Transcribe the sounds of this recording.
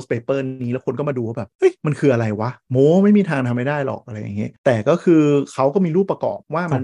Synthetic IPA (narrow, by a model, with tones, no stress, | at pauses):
spe˨˦˩pɤː˥˩nːiː˦˥lɛ˦˥wkʰo˧nk̬ɔ˥˩maː˧duː˧waː˥˩bɛː˨˩p̚ʔɤ˦˥˩jma˧nkʰɯː˧ʔa˧ɾa˧jwa˦˥ʔmoː˦˥˦ma˥˩jmiː˧t̪ʰaː˧ŋt̪ʰa˧mːa˥˩jdaː˥˩jlɔ̰ː˨˩k̚ʔa˧ɾa˧jːa˨˩ŋːi˦˥t̪ɛː˨˩kɔː˥˩kʰɯː˧kʰa˦˥wkɔː˥˩miː˧ɾu˥˩pɾa˧kɔ̰ː˨˩p̚waː˥˩ma˧n